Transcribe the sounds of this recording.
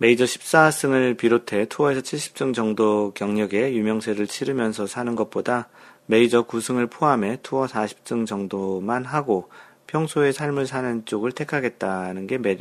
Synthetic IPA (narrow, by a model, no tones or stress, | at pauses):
me̞id͡ʑʌɕʰi̥p̚s͈as͈ʰɯŋɯɭpiɾotʰe̞tʰuʌe̞sʰʌt͡ɕʰiɭɕ͈ʰi̥p̚t͡ɕ͈ɯŋd͡ʑʌŋdokjʌŋɲʌɡe̞jumjʌŋsʰeɾɯɭt͡ɕʰiɾɯmjʌnsʰʌsʰanɯnɡʌt̚p͈odame̞id͡ʑʌkusʰɯŋɯɭpʰoame̞tʰuwʌsʰaɕʰi̥p̚t͡ɕ͈ɯŋd͡ʑʌŋdomanɦaɡo | pʰjʌŋsʰoe̞sʰaɭmɯɭsʰanɯnt͡ɕ͈oɡɯɭtʰe̞kʰaɡe̞t̚t͈anɯnɡe̞me̞ɾ